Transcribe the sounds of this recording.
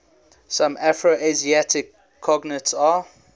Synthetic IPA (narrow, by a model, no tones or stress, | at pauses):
sãmʔæfɹoʔeziatʰɪkʰː | ɔɡnətsa